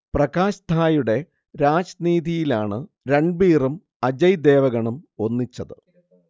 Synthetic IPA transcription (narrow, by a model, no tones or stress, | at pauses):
prɐkaːɕt̪ʰaːjuɽe̞ | ɾaːd͡ʑniːd̪ʱijilaːɳɨ | ɾeɳbiːrum | ɐd͡ʑɐjd̪e̞ːʋɐɣɐɳumo̞nːit͡ɕːɐðɨ